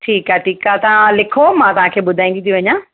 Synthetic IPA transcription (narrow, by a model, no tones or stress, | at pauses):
ʈʰiːkaːʈʰiːkat̪ɐãlɪkʰomãt̪ɐʋ̤ãkʰeːɓʊd̪ʱaĩŋ̆ɡ̪it̪ʰiʋɐɲãː